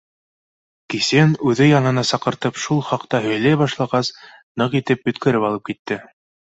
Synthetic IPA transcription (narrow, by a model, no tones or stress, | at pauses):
kisenʉðɘjɑnɤ̆nɑsɑqɤ̆ɾt̪ɤpʃulˠχɑqt̪ɑɦɵ̆jlæjbɑʃlˠɑʁɑs | nɤqit̪ɘpbɵ̆t̪kɘ̆ɾɘpɑlˠɤp̚kit̪ːɘ